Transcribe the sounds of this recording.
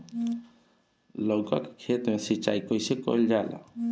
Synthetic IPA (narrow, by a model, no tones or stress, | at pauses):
loɡa̰kkʰet̪mesit͡ʃa̰ikɔjsekɔ̰ld͡ʒala̰